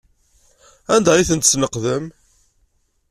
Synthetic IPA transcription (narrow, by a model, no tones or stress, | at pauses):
ænd̪æiθənt̪əsnəqðəm